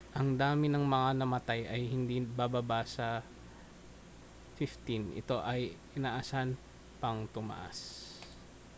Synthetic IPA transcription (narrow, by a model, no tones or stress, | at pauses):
ʔɐŋd̪aːmɪnɐŋmɐŋanɐmɐt̪ajʔɐjhɪnd̪ibababasɐ | fɪft̪inʔɪ̰t̪o̞ʔɐjʔɪnaːʔasan | pɐŋt̪ʊma̰ʔa̰s